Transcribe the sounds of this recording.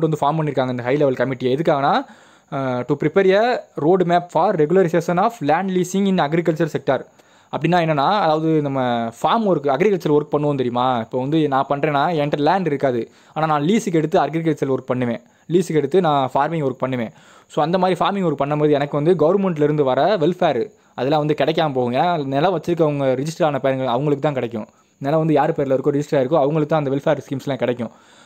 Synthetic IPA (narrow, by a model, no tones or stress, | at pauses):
ʈːʋɐnd̪ɯfaːɾmpɐɳːɪɾɯkːaːŋɡɐɪnd̪ɐɦɐɪlɛʋɐlkɐmɪʈːɪjeɛðɯkːaːɣɐnːaː | ʈupɾɪpeːɾjɐɾoːɖmaːpfaːɾːɛɡʊlɐɾɪseːʂɐnaːflaːɳɖliːsɪŋɪnɐɡɾɪkɐɭt͡ʃɐɾsɛk̚ʈɐɾ | ɐpːɐɽɪnːaːɛnːɐnːãːɐðaːʋɐðɯnɐmːɐfaːɾmɔɾɯkːɯɐɡɾɪkɐɭt͡ʃɐɾɔɾɯk̚pɐɳːɯʋõːnt̪ɛɾɪjɯmaːɪpːoːʋɐnd̪ɯnãːpɐɳːɾẽːnaːɛɳɖɾɐlaːɳɖɪɾɯkːaːðɯ | aːnaːnãːliːsɯkːɛɽɯt̪ːɯɐɾɡɾɪk̬ɐɭʈsɐɾlɔɾɯk̚ːpɐɳːɯʋẽː | liːsɯkːɛɽɯt̪ːɯnãːfaːɾmɪ̃ŋɡɔɾɯkːɯpɐɳːɯʋẽː | soːɐnd̪ɐmaːd̪ɾifaːɾmɪŋɔɾɯkːɯpɐɳːɐmboːðɯɛnɐkːɯʋɐnd̪ɯɡɐʋɐɾmɛɳʈ̬ɪlɪɾɯnd̪ɯʋɐɾɐʋɛlfeːɾ | ʔɐðɐlãːʋɐnd̪ɯkɪɽɛkːaːmpoːɣʊ̃ɛːnːanɛlːaʋɐt͡ʃːɪɾɯk̬ːɯɐʋɐŋɡɐɾɪd͡ʒɪsʈɐɾaːnɐpejɾŋɡɐɭɐʋɐŋɡɐɭɯkːɯt̪ãːkɪɽɛkʲːʊ̃ | nɛːlãːʋɐnd̪ɯjaːɾɯpeːɾlɐɪɾɯkːʊ̃ɾɛd͡ʒɪsʈɾaːɪɾɯkːʊ̃ɐʋɐŋɡɐɭɯkːɯt̪ãɐnd̪ɐʋɛlfeːɾskiːmslãːkɪɽɛkʲːʊ̃